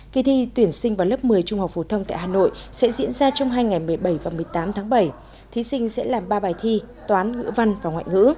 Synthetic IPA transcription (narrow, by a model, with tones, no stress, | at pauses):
ki˧t̪ʰi˧t̪wi˨˧˩ənsï˧ŋ̟vaː˨˩wlə˦˥p̚mɨ˨˩əjt͡ɕʊ˧ŋ͡mha˨˩wk͡p̚fo˨˩t̪ʰə˧wŋ͡mt̪a̰ː˧˨jhaː˨˩no̰˧˨jsɛ̰˧˥zḭ˧˥ənzaː˧t͡ɕɔ˧wŋ͡mɦaː˧jŋa˨˩jmɨ˨˩əjɓə˧˩jvaː˨˩mɨ˨˩əjt̪aː˨˦mt̪ʰaː˨˦ŋɓə˧˩j | t̪ʰi˨˦sï˧ŋ̟sɛ̰˧˥laː˨˩mɓaː˧ɓaː˨˩jt̪ʰi˧ | t̪waː˨˦nŋɨ̰˧˥va˧nvaː˨˩wŋwa̰ː˧˨jŋɨ̰˧˥